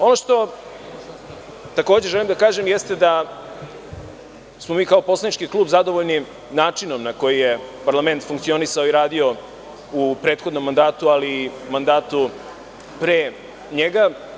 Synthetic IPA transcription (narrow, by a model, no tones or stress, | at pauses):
o̞no̞ʂt̪o̞ | t̪akoːd͡ʑeʒelimd̪akaːʒemjest̪ed̪a | smo̞miːkao̞po̞slanit͡ʃkiklˠuːbzad̪o̞ʋo̞ʎni | naːt͡ʂino̞mnako̞jijepaɾlˠame̞nt̪fuŋkt̪sio̞nisaoiɾaːd̪io̞ | upɾe̞ːt̪xo̞d̪no̞mːand̪aːt̪ualimand̪aːt̪u | pɾe | ɲeɡa